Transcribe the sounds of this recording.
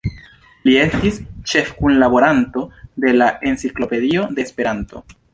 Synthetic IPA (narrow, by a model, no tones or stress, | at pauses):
lie̞stist͡ʃe̞fkunlabo̞ɾanto̞de̞laʔe̞nsiklo̞pe̞dio̞de̞ːspe̞ɾanto̞̰